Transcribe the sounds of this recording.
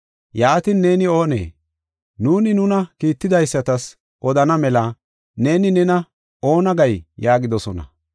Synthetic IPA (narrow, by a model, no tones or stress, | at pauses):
jaːt̪ɪnːe̞ːnɪo̞ːnḛː | nuːnɪnʊnɐkiːt̪ːɪd̪ɐjsːɐt̪ɐs | ʔɔd̪ɐnɐmɛlɐ | ne̞ːnɪnɛnɐ | o̞ːnɐɡɐjjaːɡɪd̪ɔsɔnɐ̰